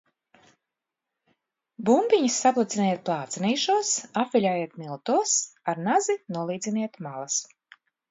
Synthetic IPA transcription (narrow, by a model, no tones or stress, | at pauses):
bumbʲiɲisːaplˠat̪sinijɛt̪̚plˠɑːt̪sɛniːʃuɔsafʲilʲajiɛt̪milˠt̪uɔsaɾnazinuɔlˠiːd̪zʲiniɛt̪malˠas